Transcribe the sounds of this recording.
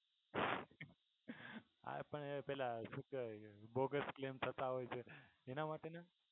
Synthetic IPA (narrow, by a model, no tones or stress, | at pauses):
a̰pəɳpɛlasukbɔɡəsklemt̪ʰət̪aɦojt͡ʃʰeenamaʈena